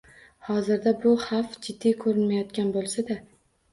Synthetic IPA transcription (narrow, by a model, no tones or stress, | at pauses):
hɒzɪɾd̪abʊhafd͡ʒɪd̪ːijkʰɵɾɪnmajɒt̪kʲanbolˠsad̪a